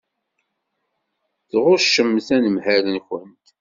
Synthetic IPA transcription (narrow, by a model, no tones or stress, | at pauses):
θʁʊʃːəmθænəmhælənçənt̪